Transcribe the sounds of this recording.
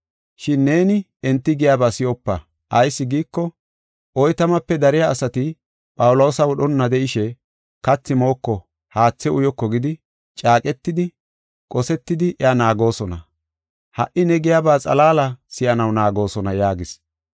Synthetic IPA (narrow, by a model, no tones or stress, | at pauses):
ʃɪnːe̞ːnɪ | ɛnt̪ːɪɡɪjaːbaːsɪjɔpːɐ | ʔɐjsːɪɡiːkːɔ | ʔɔjt̪ɐmɐpːɛd̪ɐɾɪjaːsɐt̪ɪ | pʼɐwʊlɔwsɐwɔɗɔnːɐd̪ɛʔɪʃɛ | kɐt͡sːɪmo̞ːkːɔ | haːt͡sːɛʊjɔkːɔɡɪd̪ɪ | t͡ʃʼaːkʼɛt̪ːɪd̪ɪ | kʼɔsɛt̪ːɪd̪ɪʔɛanaːɡo̞ːsɔnɐ | hɐ̰ʔɪnɛɡɪjaːbaːt͡sʼɐ̰laːlɐsɪʔɐnɐwnaːɡo̞ːsɔnɐjaːɡɪs